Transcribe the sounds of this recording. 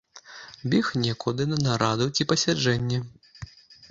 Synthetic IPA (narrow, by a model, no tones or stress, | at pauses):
bʲɛxnʲɛkud̪ɨnɐnaɾad̪ut͡sʲipɐsʲad͡ʐɛnʲːɐ